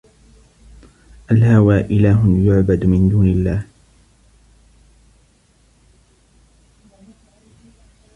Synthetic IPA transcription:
ʔalhawaːʔɪlaːɦjʊʕbad̪mɪnd̪uːnɪlːaːh

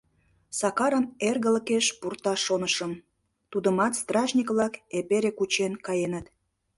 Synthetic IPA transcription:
sɑkɑɾənerɣələkeʃpurt̪ɑʃonəʃəm | t̪ud̪əmɑt̪st̪rɑʒnʲikβlɑkepeɾekut͡ɕenkɑjenət̪

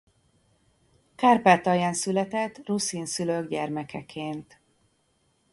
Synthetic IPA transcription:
kaːrpɛt̪ɒjaːnsylɛt̪ɛt̪ːrusiːnsyløɡɟɛrmɛkʰɛkʰeːnt̪

